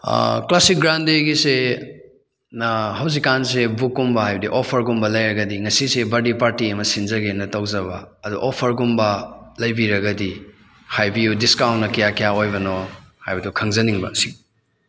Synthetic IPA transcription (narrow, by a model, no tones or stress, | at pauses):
klasik̚ɡɾandeɡise | ɦɐwzikːans̬ebukːumbɐhajbɐdiʔopʰɐɾɡumbɐlɐjɾɐɡɐdiŋɐsisebɐdipaɾtiɐmɐsinzɐɡenɐtɐwzɐβɐːduʔɔpʰɐɾɡumbɐlɐjbiɾɐɡɐdi | hajbijudiskawnnɐkɐjakijaojbɐnohajbɐdukʰɐŋzɐniŋbɐsi̥ŋ